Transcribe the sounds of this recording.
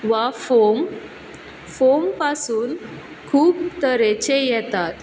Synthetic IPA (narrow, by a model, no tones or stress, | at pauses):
ʋafom | fompasuːn | kʰuːbt̪əɾet͡ɕejɛt̪at̪